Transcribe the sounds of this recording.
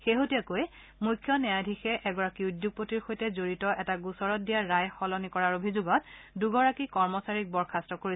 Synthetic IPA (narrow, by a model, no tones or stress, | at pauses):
xeɦotijakoj | mujkʰːjɔnɛjadʱixɛʔɛɡɔɹakiudjuɡ̚potiɹxojtɛzoɹitɔʔɛtaɡusɔɹɔt̚dijaːajxɔlɔnikɔɹaɹobʱizuɡɔt̚duɡɔɹakikɔɹmɔsaɹik̚bɔɹkʰastɹɔkoɹi